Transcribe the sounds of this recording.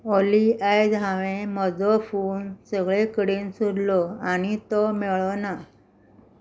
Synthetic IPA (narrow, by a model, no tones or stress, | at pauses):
ɔliajd͡zʱãʋẽməd͡zɔfuːnsəɡɭekəɽiːnsud̪lɔañit̪ɔmɛɭɔna